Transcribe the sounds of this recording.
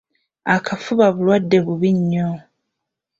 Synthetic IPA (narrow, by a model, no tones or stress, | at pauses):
akʰafuβaβulwadːe̞βuβiɲːo